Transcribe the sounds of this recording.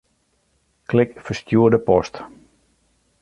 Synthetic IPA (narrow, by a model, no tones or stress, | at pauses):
klɪkfəstjuədəpɔst